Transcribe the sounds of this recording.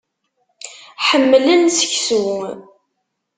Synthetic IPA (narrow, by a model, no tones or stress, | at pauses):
ħəmːlənsə̥çsw